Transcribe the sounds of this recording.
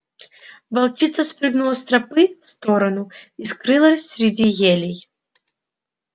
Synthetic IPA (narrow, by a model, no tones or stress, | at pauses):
vɐlˠt͡ɕit̪səspɾɨɡnʊlˠəsʲt̪ɾɐpɨfst̪oɾɐnʊiskɾɨlˠəsʲɾʲɪdʲijelʲɪj